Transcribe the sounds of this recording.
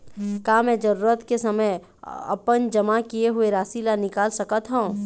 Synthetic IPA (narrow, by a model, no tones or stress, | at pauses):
kaːmɛ̃ːd͡ʒɐɾuːɾət̪kesɐməj | ɐ̰pənd͡ʒɐmakieɦueɾaːsilanɪkaːlsɐkət̪ɦaũ